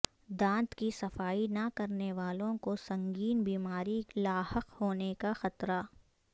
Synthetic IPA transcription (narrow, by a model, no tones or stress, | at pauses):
d̪ãːnt̪kisɐfaːinɐkɐɾneʋaːlõkosɐ̃ŋɡiːnbiːmaːɾilaːhəqhoːnekaxɐt̪ɾa